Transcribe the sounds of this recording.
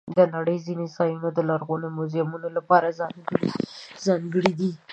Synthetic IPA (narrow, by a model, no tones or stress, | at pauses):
d̪ənaɽəjzinɪsɑjunod̪əlaɾɣunomʊzjamunolapɑɾazɑŋɡəɽizɑŋɡəɽid̪i